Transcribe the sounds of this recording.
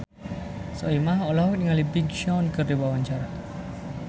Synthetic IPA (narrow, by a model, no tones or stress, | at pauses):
sɔimahɔlaɦut̪̚ŋalibiɡʃɔnkərdiwawaɲt͡ʃaɾa